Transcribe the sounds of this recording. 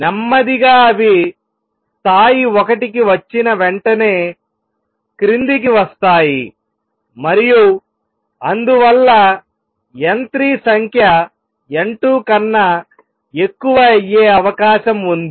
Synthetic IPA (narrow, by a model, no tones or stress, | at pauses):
nɐmːɐd̪iɡaːɐʋi | st̪ʰaːjiɔkɐʈikiʋɐt͡ʃːinɐʋeɳʈɐne̞ː | kɾind̪ik̬iʋɐst̪aːji | mɐɾiju | ɐnd̪uʋɐlːɐ | jent̪ɾiːsɐŋkʰjɐ | eɳʈuːkɐnːɐ | e̞kːuʋɐjeːɐʋɐkaːʃɐmund̪i